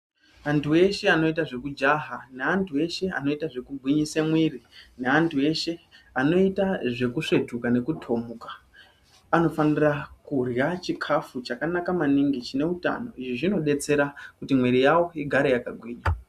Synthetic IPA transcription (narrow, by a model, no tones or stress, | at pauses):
antʰuwe̞ʃe̞ano̞itaʐe̞kud͡ʒaɦaneantʰue̞ʃe̞a̰no̞itaʐe̞kuɡʱwiɲisemwirine̞antʰue̞ʃe̞ano̞itaʐe̞kuʂe̞tʰukanekutʰo̞mukḁ | ano̞fanirakurjat͡ʃikʰafut͡ʃakanakamaniŋɡit͡ʃine̞uta̰no̞̰iʐiʐino̞ɗe̞t͡se̞ɾakutimwiɾijawo̞iɡʱaɾejakaɡʱwiːɲa